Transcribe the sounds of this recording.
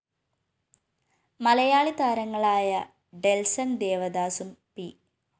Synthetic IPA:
mɐlɐjaːɭit̪aːɾɐŋːɐɭaːjɐ | ɖelsɐnd̪eːʋɐd̪aːsumpi

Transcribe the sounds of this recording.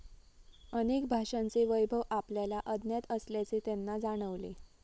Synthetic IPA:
ənek̚bʱaʂãnt͡seʋəjbʱəʋapljalaʔəd̪ʱnjat̪əsljat͡set̪enːad͡zaɽ̃əʋlḛ

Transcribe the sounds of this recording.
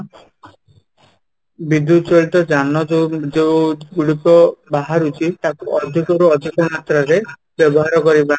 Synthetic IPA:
bid̪ut͡ʃɔɭt̪ɔd͡ʒanɔed͡ʒewɡuɭikɔbaɦaɾut͡ʃʰit̪akuʔɔd̪ʱikɔɾuɔd̪ʱikɔmat̪ɾaɾe | bjɔbɔɦaɾɔkɔɾibana

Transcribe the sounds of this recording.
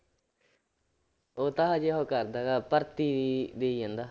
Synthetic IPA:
oːt̪aːɦad͡ʒeɦoːkəɾd̪aːɡaːpəɾt̪iːd̪eːiːãnd̪aː

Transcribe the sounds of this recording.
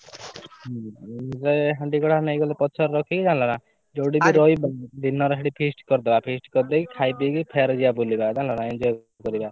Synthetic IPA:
seɦaɳɖikɔɽʰanejɡɔlepɔt͡ʃʰɔɾɾɔkʰikid͡ʒãlɔna | d͡ʒowɖibiɾɔjbd̪inɔɾɔɦeɽipʰisʈkɔɾd̪ebapʰisʈkɔɾd̪ekikʰajpikipʰeɾd͡ʒiabulibad͡ʒãlɔnaind͡ʒɔj | kɔɾiba

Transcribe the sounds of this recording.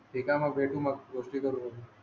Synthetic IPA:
ʈikamãbʱeːʈũmãɡoːʂʈikəɾuɦou

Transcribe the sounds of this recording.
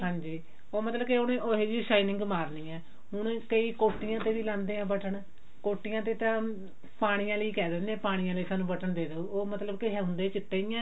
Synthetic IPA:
ɦãːɲd͡ʒiː | oːmət̪ləbkeʊnẽːʔoːɦeːd͡ʒiːʃaːiːnɪ̃ŋɡmaːɾniːɛ̃ː | ɦʊɳ̃kəiːkoːʈːɪjãːt̪eːʋiːlãnd̪eːãːbəʈʰəɳ | koːʈːɪjãːt̪̬eːt̪ãː | paːɽ̃ijãːləiːkɛːd̪ɛːneːpaːɽ̃ijãːləiːsaːnũːbəʈʰəɳd̪eːd̪eooːmət̪ləbkeɦɛ̃ːʊ̃nd̪eːt͡ʃɪʈːeːɪjãː

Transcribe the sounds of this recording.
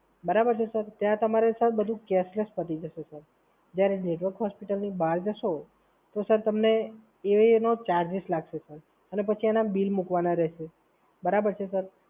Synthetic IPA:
bəɾabəɾt͡ʃʰesəɾt̪jãt̪əmaɾesat̪ʰbəd̪ʱũkeslespət̪id͡ʒəʃesəɾ | d͡ʒjaɾeneʈʋəɾkɦɔspiʈəlnibaɾd͡ʒəʃo | t̪osəɾt̪əmne | eʋenot͡ʃaɾd͡ʒɪslaɡʃesəɾ | ənepət͡ʃʰianabilmukʋanaɾɛɦʃe | bəɾabəɾt͡ʃʰesəɾ

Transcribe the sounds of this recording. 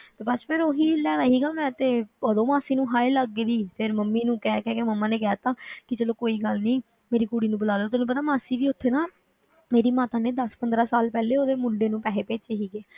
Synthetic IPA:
t̪eːbət͡ʃpʰɪɾoːɦiːlɛːʋaːɦiːɡaːmɛ̃ːt̪eːəd̪õːmaːsiːnũːɦaːeləɡːediːpʰɪɾməmːiːnũːkɛːkɛːkeməmːãːneːkɪjaːt̪aːkɪt͡ʃəːloːkoːiːɡəlnĩː | meːɾiːkuːɽiːnũːbəlaːloːt̪ʊnũːpət̪aːmaːsiːʋiːʊt̪ʰːeːnaː | meːɾiːmaːt̪ãːneːd̪əspənd̪ɾaːsaːlpɛːleːoːd̪eːmʊɳɖeːnũːpɛːɦeːpeːt͡ʃeːɦiːɡeː

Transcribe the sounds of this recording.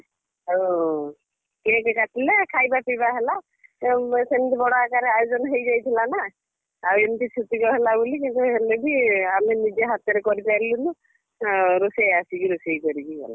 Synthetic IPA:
o | kiekekat̪ʰilekʰajbapibaɦela | senit̪ibɔɽakaɾeajɔd͡ʒɔnɦejd͡ʒajt̪ʰilana | aent̪it͡ʃʰut̪ikɔɦelabulikint̪uɦelebiaminid͡ʒeɦat̪eɾekɔɾipaɾilunu | ɾusejasibiɾusejkɔɾibiɡɛ̰la̰

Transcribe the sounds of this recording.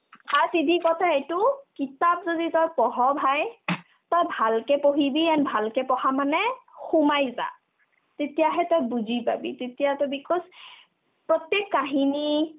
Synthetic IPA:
aɹsidʱikɔtʰaetʊkitap̚zoditɔjpɔɦɔbʱaj | tɔjbʱalkɛpoɦibiɛnbʱalkɛpɔxamanɛxumajza̰ | tetijaɦɛtɔjbuzipa̰bḭtetijatɔjbikʰɔs | pɹɔt̪jekːaɦini

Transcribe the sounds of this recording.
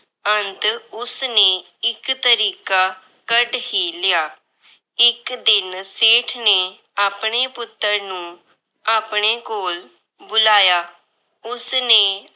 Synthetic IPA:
ənt̪ʊsnẽː | ɪkt̪əɾiːkaː | kəɖɦiːlɪjaː | ɪkd̪ɪnseːʈʰneː | aːpɳ̃eːpʊt̪ːəɾnũː | aːpɳeːkoːl | bʊlaːjaː | ʊsneː

